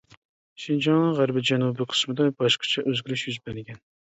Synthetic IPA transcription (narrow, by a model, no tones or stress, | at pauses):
ʃind͡ʒɑŋnɨʁæɾbɪd͡ʒɛnubiqʰə̥smɨd̪ɑbɑʃqʰɑ̥t͡ʃʰɛʔøzɡʲyɾyʃjyzbænɪɡʲɛn